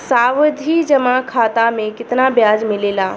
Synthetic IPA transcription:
saːwd̪ʱid͡ʒɐmakʰaːt̪amẽkɪt̪nabjaːd͡ʒmɪleːlaː

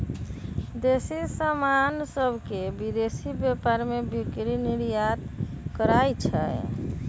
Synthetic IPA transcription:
d̪esisamansəbʱkebid̪esibjepaɾmebʱikɾiniɾjat̪ | kəɾajt͡ʃʰɛ̰

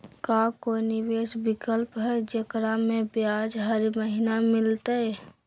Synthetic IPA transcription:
kakonɪʋeːsbɪkəlpɦɛd͡ʒəkɾamẽbjaːd͡ʒɦəɾməɦɪnamɪlt̪aɛ

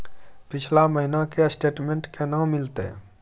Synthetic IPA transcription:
pɪt͡ʃʰlaməɦinakesʈeːʈmẽɳʈkenawmɪlt̪ḛ

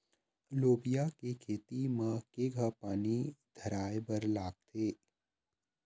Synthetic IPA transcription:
loːbijakekʰeːt̪imə̃keɡʱapaːnid̪ʱəɾaːebəɾlaːɡ̚t̪ʰeː

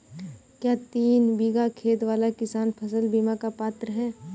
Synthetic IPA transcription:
kjaːt̪iːnbiːɡakʰeːt̪ʋaːlakɪsaːnpʰəsəlbiːmakapaːt̪ɾəɦɛ̃ː

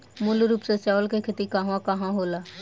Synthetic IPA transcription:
mʊlɾuːpset͡ʃaːʋəlkekʰɪt̪ikəɦʋãkɐɦãɦoːlaː

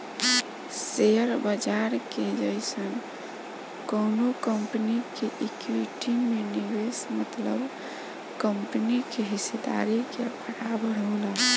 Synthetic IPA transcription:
seəɾbəd͡ʒaɾked͡ʒəɪsən | kəʊnokəmpnikeʔikwiʈimenibesmət̪ləb | kəmpnikeɦised̪a̰ɾikepʰəɽabəɽ̤əla

